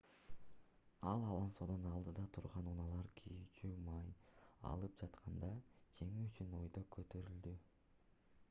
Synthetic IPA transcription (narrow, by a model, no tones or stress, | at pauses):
ɑlˠɑlˠɑnso̞d̪onɑlˠd̪ɯd̪ɑt̪ʰuɾʁɑnunɑlˠɑɾkʲʰijit͡ʃymɑjɑ̰lˠɯp̚d͡ʒɑt̪qʰɑnd̪ɑkʰe̞ŋiyt͡ʃyno̞jd̪okʰøt̪ø̞ɾyld̪y